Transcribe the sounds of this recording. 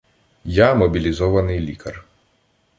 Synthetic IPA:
jamɔbʲilʲizɔʋɐnɪjlʲikɐr

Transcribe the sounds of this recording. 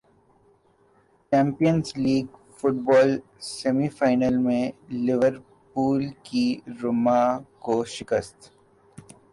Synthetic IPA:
t͡ʃɛ̃ːmpijənzliːɡ | fʊʈ̚bɔːl | sɛmifaːɪnəlmẽlɪʋəɾ | puːlkiɾʊmakoʃɪkəst̪

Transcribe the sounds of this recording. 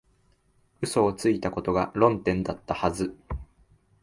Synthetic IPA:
ɯ̟so̞ːt͡sɨit̪ako̞t̪o̞ɡaɾõ̞nt̪ẽ̞nd̪at̪ːahazɨ

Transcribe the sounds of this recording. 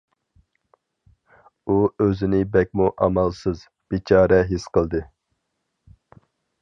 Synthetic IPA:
uøzɪnɪbɛk̚ʲmuʔɑmɑlˠsɨz | b̥it͡ʃʰɑːɾɛɦesqəlˠd̪ɨ

